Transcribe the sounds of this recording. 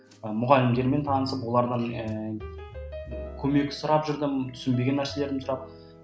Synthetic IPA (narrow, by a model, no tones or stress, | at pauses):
əmʊʁɑlɪmd̪e̞ɾme̞nt̪ʰɑnəsəpwo̞lˠɑɾd̪əɴ | kʲʰɵme̞k̚ʲsʊɾɑpʒʏɾd̪ɪmt̪ʰʏ̥sɪnbe̞ɡʲe̞nːæɾse̞le̞ɾd̪ɪmsʊɾɑp̚